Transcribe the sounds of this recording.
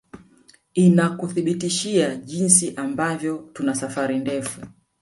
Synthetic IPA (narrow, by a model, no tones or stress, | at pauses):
inakuθiɓitiʃiaʄinsiʔambavjɔtunasafaɾindɛfu